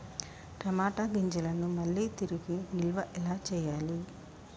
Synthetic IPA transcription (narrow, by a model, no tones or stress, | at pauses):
ɾɐmaːʈaɡiɲd͡ʒɐlɐnumɐlːiːt̪iɾiɡinilʋɐʔɛlaːt͡ʃɛːjaːli